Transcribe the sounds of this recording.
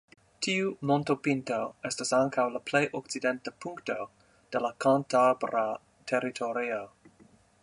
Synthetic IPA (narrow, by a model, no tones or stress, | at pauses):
tʰiumontopintoestasaŋkʰawlaplejʔok̚t͡sidentapʰuŋkto̞ | d̥elakantabɾa | tʰeɾitʰoɾio